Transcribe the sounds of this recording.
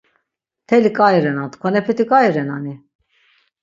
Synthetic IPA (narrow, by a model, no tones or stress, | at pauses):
t̪ʰɛlikʼajɾɛnant̪kʰwanɛpʰɛt̪ʰikʼaiɾɛnani